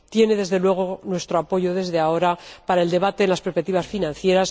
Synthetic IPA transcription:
t̪je̞ne̞ðe̞zðe̞lwe̞ɣ̞o̞nwe̞st̪ɾo̞apo̞ʝo̞ðe̞zðeao̞ɾapaɾae̞ld̪e̞β̞at̪e̞ːnlaspespek̚t̪iβasfinãnθje̞ɾas

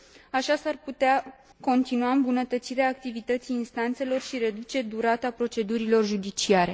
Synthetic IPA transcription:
aʃasarput̪ea | ko̞nt̪inuaɨmbunət̪ət̪siɾeaːk̚t̪ivit̪ət̪siːnst̪ant̪se̞lo̞rʃiɾe̞d̪ut͡ʃe̞d̪uɾat̪apɾo̞t͡ʃe̞d̪uɾilo̞rʒud̪it͡ʃiaɾe̞

